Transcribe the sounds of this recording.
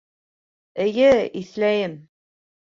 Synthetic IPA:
ɘ̆jɘiθlæjɘm

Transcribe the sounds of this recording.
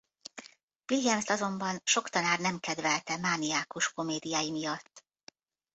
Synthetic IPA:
ʋilijɛmst̪ɒzo̞mbɒnʃo̞kt̪ɒnaːrnɛmkɛd̪vɛlt̪ɛmaːnijaːkuʃko̞meːd̪ijaːjimijɒt̪ː

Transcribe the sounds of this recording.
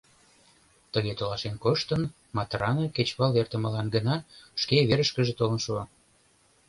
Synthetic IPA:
t̪əɣet̪olɑʃenkoʃt̪ən | mɑt̪rɑnəket͡ɕβɑlert̪əmə̆lɑnɡənɑʃkeβeɾəʃkəʒet̪olənʃuɑ

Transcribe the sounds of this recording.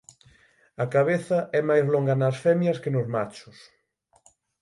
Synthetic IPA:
ɐkaβ̞eθɐʔɛmajzloŋɡanɐsfɛmjɐskenozmat͡ʃʊs

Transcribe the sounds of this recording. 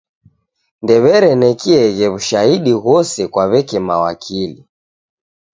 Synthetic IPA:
ndɛβɛɾɛnɛkiɛɣɛβuʃaiɗiɣɔsɛkwaβɛkɛmawa̰kʰili

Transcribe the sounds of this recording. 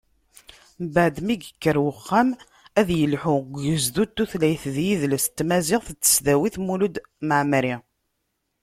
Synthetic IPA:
mbəʕd̪miɡəkːəɾwəχːam | æðjəlħʊɡəzðut̪ːuθlæjθðjiðləst̪ːmæziʁθət͡s̪ːə̥sðæwiθmulud̪məʕmɾi

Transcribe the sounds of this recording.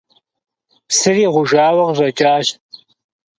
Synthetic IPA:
psɨriːʁʷʊʒaːwɐʁʑʷɐt͡ʃʼaːʃ

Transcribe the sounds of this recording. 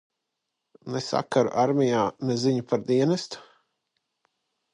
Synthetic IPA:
nesa̰kaɾṵʔaɾmʲijaːnɛziɲupaɾd̪iɛnɛst̪u̥

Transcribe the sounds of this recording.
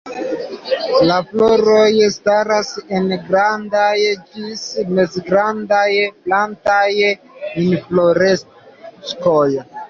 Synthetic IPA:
lafloɾojstaɾase̞nɡɾandajd͡ʒismezɡɾandajplantaj | minifloɾes | skoj

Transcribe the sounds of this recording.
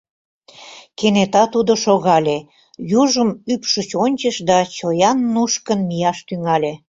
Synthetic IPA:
kenet̪ɑt̪ud̪oʃoɣɑlʲe | juʒəmypʃət͡ɕonʲt͡ɕəʃd̪ɑt͡ɕojɑnːuʃkənmijɑʃt̪yŋɑlʲe

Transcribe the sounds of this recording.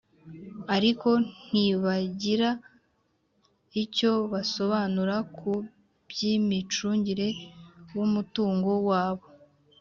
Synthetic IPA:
aɾiko̞n̥iβaɟiɾa | ico̞βaso̞βanuɾakʰu | bjimit͡ʃuːɲɟiɾe̞wumutuːŋɡo̞waːβo̞

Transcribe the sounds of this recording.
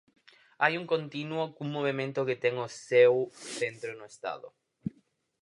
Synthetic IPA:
ajuŋkõnt̪inwokũŋːoβemẽnt̪ʊkɪt̪ɛŋʊsewθẽnt̪ɾonʊest̪a̰ðʊ̰

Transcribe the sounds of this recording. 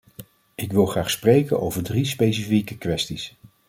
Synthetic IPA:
ɪkʋɪlˠχraːχsprejkəno̰wvəɹdrispejs̬ifikəkʋɛstis

